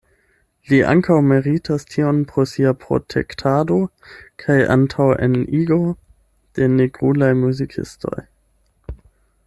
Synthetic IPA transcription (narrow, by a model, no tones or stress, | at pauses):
liʔa̰ŋkawmeʁitʰastʰionpɾosiapɾo̞̰tʰḛktʰado | kʰajʔa̰ntʰawḛniɡo | d̥e̞neɡʁulajmuzikʰḭsto̞̰j